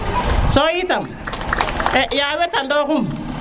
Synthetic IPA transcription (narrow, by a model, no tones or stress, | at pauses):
sɔitam | ɛʔjawɛtandɔkʊm